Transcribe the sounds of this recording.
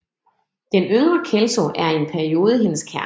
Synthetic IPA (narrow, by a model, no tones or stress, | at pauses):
d̥enøŋʁɐkʰelsoʔæɐe̝npʰæɐio̝ːðˠəɦe̝nəskʰæɐ